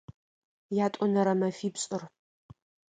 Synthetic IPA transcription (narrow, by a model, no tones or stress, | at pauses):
jaːtʼɔnɐɾɐmɐfiːpɕʼʊr